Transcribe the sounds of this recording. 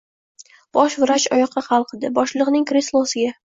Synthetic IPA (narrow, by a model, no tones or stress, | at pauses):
b̥ɒʃvɪɾat͡ʃɒjɒqʰːɑχɑlˠqʰɨd̪ɪbɒʃlˠɨqnɪŋkɾislˠosɪɡʲa